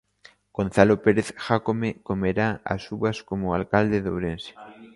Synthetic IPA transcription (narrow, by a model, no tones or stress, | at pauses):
ɡ̥on̟θalopeɾeθʝakomekomeɾaa̰suβaskomoalkald̪eðoβwɾense̥